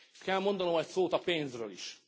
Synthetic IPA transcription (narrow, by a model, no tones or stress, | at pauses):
kɛlmo̞nd̪ɒno̞mɛcsoːt̪ɒpeːnzrø̰ːlḭʃ